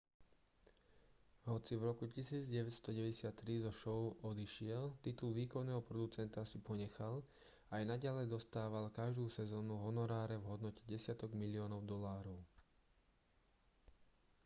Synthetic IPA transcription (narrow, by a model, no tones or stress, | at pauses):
ɦɔt͡sivɾɔkucisiːd͡zɟɛʋɛt̪st̪ɔɟɛʋɛɟɛsɪat̪ːɾizɔʃɔʊʔɔd̪iʃɪɛlt̪it̪ulʋiːkɔnɛːɦɔpɾɔd̪ut͡sɛnt̪asipɔɲɛxal | ajnaɟalɛjd̪ɔst̪aːʋalkaʒd̪uːsɛzɔːnuɦɔnɔɾaːɾɛvɦɔd̪nɔcɛɟɛsɪat̪ɔɡmilɪɔːnɔʊd̪ɔlaːɾɔʊ